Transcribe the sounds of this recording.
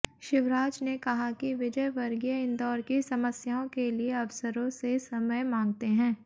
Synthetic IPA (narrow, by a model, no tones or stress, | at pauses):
ʃɪʋɾaːd͡ʒnekɐɦakiʋɪd͡ʒəjʋɐɾɡijaɪnd̪ɔːɾkisɐməsjaːõkelieɐʋsəɾõsesɐməjmãːŋɡ̚t̪eɦɛ̃ː